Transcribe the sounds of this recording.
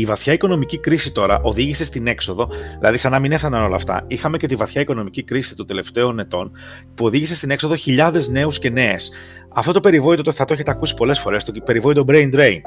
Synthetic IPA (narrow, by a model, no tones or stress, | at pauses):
ivɐθçɐiko̞no̞micikɾisit̪o̞ɾɐ̰ʔo̞ðiʝise̞st̪ine̞kso̞ðo̞ðilɐ̰ðisɐnɐmine̞fθɐnɐno̞lɐ̰ːft̪ɐ̰ixɐme̞ce̞t̪ivɐθçɐiko̞no̞micikɾisi̥t̪od̪e̞le̞ft̪e̞o̞ne̞t̪o̞n | puo̞ðiʝisest̪ine̞kso̞ðo̞çiʎɐðe̞zne̞usce̞ne̞ːs | ɐft̪o̞t̪o̞pe̞ɾivo̞it̪o̞t̪oθɐt̪oeçet̪eɐkusi̥po̞le̞sfo̞ɾe̞st̪ope̞ɾivo̞it̪obɾe̞jnd̪ɾe̞jn